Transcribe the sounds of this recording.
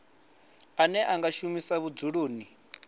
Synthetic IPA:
anɛʔaŋɡaʃumisaβud͡zuɺuːni

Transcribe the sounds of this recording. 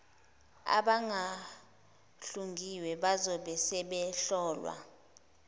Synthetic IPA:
a̰ɓaŋʱa | ɬuŋɡʱiwɛɓazɔɓɛsɛɓɛɬɔːlwa̰

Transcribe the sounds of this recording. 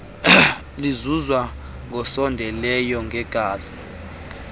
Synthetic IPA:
lizuzwa | ŋʱɔsɔndʱɛlɛjɔŋʱɛɡ̥ʱaːzi

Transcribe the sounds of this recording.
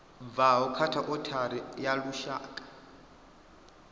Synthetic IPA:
b̪vaɦɔkʰatʰaʔʼɔtʰaɾijaluʃa̰ːkʼḁ

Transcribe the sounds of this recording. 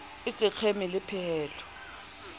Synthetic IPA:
ɪsɪk͡xʰemɪlɪpʰɛɛːlʰɔ̥

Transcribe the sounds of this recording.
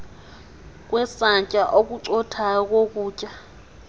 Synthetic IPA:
k̬ʼwɛsaɲcʼaʔok̬uǀɔtʰak̬ok̬uːcʼa

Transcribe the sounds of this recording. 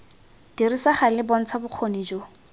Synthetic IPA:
d̥irisaχalɪbɔn̩t͡sʰabʊq͡χʰonid͡ʒo

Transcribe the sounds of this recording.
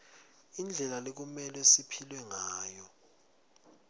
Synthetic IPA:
ind͡ɮʱɛlalek̬umɛlɛsipʰilwɛŋaːjɔ

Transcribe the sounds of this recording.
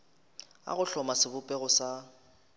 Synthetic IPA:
a̰ɣʊɬɔmasɪbʊpʼɛɣʊsa

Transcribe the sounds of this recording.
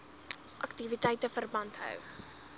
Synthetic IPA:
fʔɐktivitɛjtəfərbɐntɦœ̰w

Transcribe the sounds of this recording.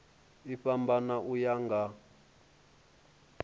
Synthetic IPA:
iɸambanaʔujaŋɡa

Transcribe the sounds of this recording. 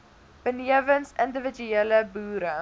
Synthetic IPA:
b̥əniəvənsəndəvəd͡ʒyeələbuːɾə

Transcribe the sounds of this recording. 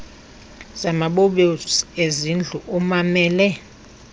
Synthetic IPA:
z̥amaɓoɓeezind͡ɮʱuʔumamɛːlɛ

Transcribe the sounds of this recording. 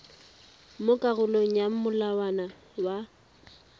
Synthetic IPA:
mʊkʼaɣʊloŋ̩jam̩mʊlawana | wa

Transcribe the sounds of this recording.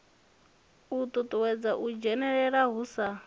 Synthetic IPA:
ut̪ʼut̪ʼwɛd͡zaʔud͡ʒɛnɛɺɛɺaɦusa

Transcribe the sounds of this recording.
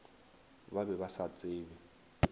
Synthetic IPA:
babɛbasat͡sʼeːbɛ

